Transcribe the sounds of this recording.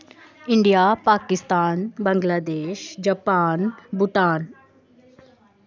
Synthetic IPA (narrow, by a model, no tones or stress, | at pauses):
ɪɳɖijaːpaːkɪst̪aːnbə̃ŋɡlaːd̪eːʃd͡ʒaːpaːnbʊʈaːn